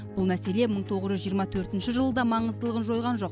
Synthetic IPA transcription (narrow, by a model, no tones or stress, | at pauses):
bʊlˠmæse̞le̞məɴt̪ʰo̞ʁəzʒʏzʒijəɾmɑt̪ʰɵɾt̪ɪnʃɪʒəlˠəd̪ɑmɑɴəzd̪əlˠəʁənʒo̞jʁɑnʒo̞q